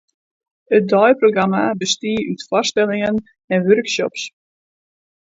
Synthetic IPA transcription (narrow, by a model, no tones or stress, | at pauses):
ət̚dɔjproɡramabəstiəʔytfɔstɛlɪŋən | ɛnʋørksɔ̰ps